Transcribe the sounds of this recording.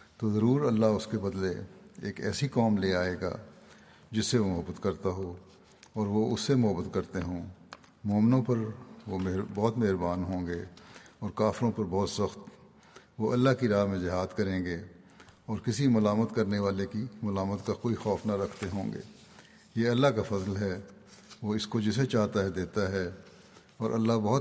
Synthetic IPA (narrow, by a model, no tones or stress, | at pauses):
t̪oːzɐɾuːɾɐlːaɦʊskebɐd̪leeːkɛ̰ːsikɔːmleaːeːɡa̰ː | d͡ʒɪsːeʋoʊmʊɦəbːət̪kɐɾt̪aɦoː | ɔːɾʋoʊsːemʊɦəbːət̪kɐɾt̪eɦõː | mɔːmɪnõpɐɾʋombɔːt̪meɦɾbaːnɦõːɡeːɔːɾkaːfɪɾõpɐɾbɔːt̪sɐxt̪ | ʋoʔɐlːaɦkiɾaːɦmẽd͡ʒɪɦaːd̪kɐɾẽːɡeː | ɔːɾkɪsimʊlaːmət̪kɐɾneʋaːlekimʊlaːmət̪kakoːixɔːfnaɾɐkʰt̪eɦõːŋɡḛː | jeːɐlːakafɐzlɦɛ | ʋoɪskod͡ʒɪs̬et͡ʃaːɦt̪aɦɛd̪eːt̪aɦɛ | ɔːɾʔɐ̰lːaɦbɐɦːʊt̪